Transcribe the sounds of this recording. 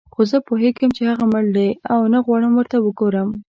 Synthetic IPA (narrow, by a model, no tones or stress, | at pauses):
xozəpoɦeɡəmt͡ʃehaɣaməld̪ajawnaɣwɑɽəmwəɾt̪awəɡoɾəm